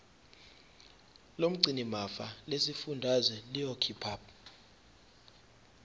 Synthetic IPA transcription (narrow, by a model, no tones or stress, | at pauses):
lom̩ǀʱinimafalesifundʱazwɛlijokʰipʰaːp̚